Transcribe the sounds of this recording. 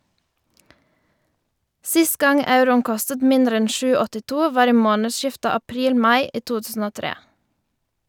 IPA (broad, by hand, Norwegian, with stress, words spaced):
ˈsɪst ˈɡɑŋ ˈɑʉɾʊn ˈkɔstət ˈmɪndɾ ˈɛn ˈʃʉː ɔtɪˈtuː ˈʋɑːɾ ˈiː ˈmoːnəˌʃɪftə ɑˈpɾiːl ˈmɑɪ ˈiː ˈtuː ˈtʉːsn̩ ˈoː ˈtɾeː